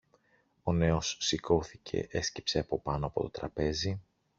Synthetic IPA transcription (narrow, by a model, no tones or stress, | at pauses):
o̞ne̞o̞sːiko̞θicʰe̞̰ʔe̞sci̥pse̞ɐpo̞pɐnoɐpo̞t̪o̞t̪ɾɐpe̞zi